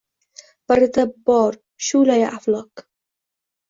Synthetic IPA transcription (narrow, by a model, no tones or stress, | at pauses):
b̥aɾɪt̪abɒɾ | ʃulajaʔaflˠɒq